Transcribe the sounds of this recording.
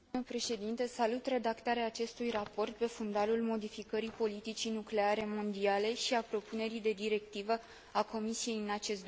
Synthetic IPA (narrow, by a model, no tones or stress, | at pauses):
əpɾe̞ʃe̞d̪int̪esalut̪re̞d̪akt̪aɾeaːt͡ʃe̞st̪ujrapo̞rt̪̚pe̞fund̪alulmo̞d̪ifikəɾipo̞lit̪it͡ʃinukle̞aɾe̞mo̞nd̪iale̞ʃiapɾo̞pune̞ɾid̪e̞d̪iɾe̞k̚t̪ivə | ako̞misije̞jɨnat͡ʃe̞st̪